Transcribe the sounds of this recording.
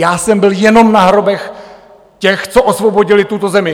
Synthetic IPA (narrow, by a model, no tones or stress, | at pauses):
jaːsɛmbɪljɛno̞mnaɦɾo̞bɛx | cɛxt͡soʔosvobo̞ɟɪlɪt̪ut̪ozɛmɪ